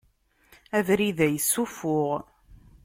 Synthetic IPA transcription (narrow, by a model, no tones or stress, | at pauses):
ævɾiðæjəsːufʊʁ